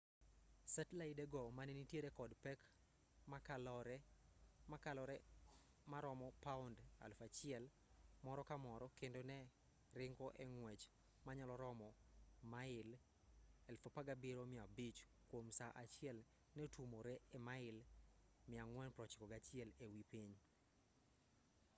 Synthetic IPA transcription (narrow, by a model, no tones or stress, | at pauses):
sɛtlaɪdɛɡɔmanenitjeɾɛkɔdpɛk | makalɔɾɛmakalɔɾɛ | maɾɔmɔpaʊnda̰lfat͡ʃɪɛl | mɔɾɔkamɔɾɔkendonɛ | ɾɪŋɡɔʔɛŋwɛt͡ʃ | maɲalɔɾɔmɔmaɪl | alfopaɡabɪɾomɪabit͡ʃ | kwomsaʔat͡ʃɪɛl | nɛtumoɾɛɛmaɪl | mɪaŋwɛnpɾɔt͡ʃi̥kɔɡat͡ʃɪɛlewipiɲ